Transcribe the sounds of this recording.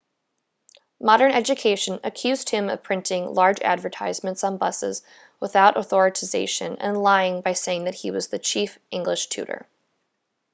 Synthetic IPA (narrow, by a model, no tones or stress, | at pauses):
mɑɾə̃˞nɛd͡ʒɨkʰeɪʃɨ̃nɨkʰj̥ʉzd̚hɪ̃mʌ̰v̥pʰɹ̥ɪ̃ntʰɪ̃ŋlɑɹd͡ʒæ̰dvə˞tʰaɪzmɨ̃ntsn̩bʌsɪ̰z | wəθaʊɾʔəθɔɹɨɾʰɨzeɪʃɨ̰̃nɨ̰̃nlaɪɪ̃ŋbaɪseɪɪ̃ŋðɨt̚hiwʌzðɨt͡ʃʰifʔɪ̃ŋɡləʃtʰʉ̰ɾə̰˞